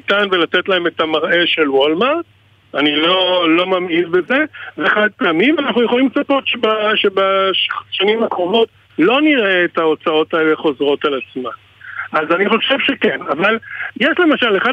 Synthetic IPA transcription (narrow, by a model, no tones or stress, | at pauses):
tanvelatetlae̞metamaʁʔe̞ʃe̞lwolmaʁ | anilo̞lo̞mamidbeze̞veeχad̪̚peamimanaχnujeχo̞limt͡sapo̞tʃebaʃebaʃanimakʁovo̞t | lo̞niʁeːtao̞t͡sao̞taele̞χo̞zʁo̞talat͡sma | ʔazaniχo̞ʃe̞vʃe̞kenavaljeʃle̞maʃale̞χa